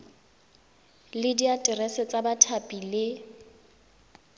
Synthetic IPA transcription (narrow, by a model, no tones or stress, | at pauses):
lɪdiatʼɪrɛsɪt͡sʼabatʰapʼilɪ